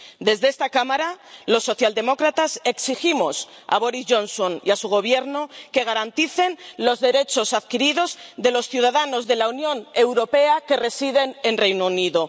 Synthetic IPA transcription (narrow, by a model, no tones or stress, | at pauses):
d̪e̞zðest̪akamaɾalo̞sːo̞θjald̪e̞mo̞kɾat̪ase̞ksiximo̞s | a̰βo̞ɾizʝo̞nsoniasuɣ̞o̞β̞je̞ɾnoke̞ɣ̞aɾant̪iθe̞nlo̞zðe̞ɾe̞t͡ʃosaðkiɾiðo̞zðe̞lo̞sθjuð̞aðano̞zðe̞launjõ̞ne̞wɾo̞pe̞ake̞re̞siðe̞ne̞nrejnouniðo